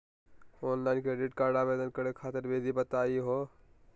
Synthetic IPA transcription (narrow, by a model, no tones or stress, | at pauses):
onlaɪnkeɖeʈkaɾɖabed̪ənkəɾekʰat̪əɾbed̪ʱibət̪aiɦo